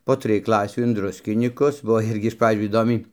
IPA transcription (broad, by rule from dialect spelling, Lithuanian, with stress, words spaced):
poː ˈtʲrʲɪj ˈklˠɑːsʲuː ɪn ˈdrʊsʲkʲɪnʲiːkʊs ˈbuɔ ˈɪrʲɡʲɪ ɪʃ ˈprɑːd͡ʒʲuː iːˈdoːmʲɛɪ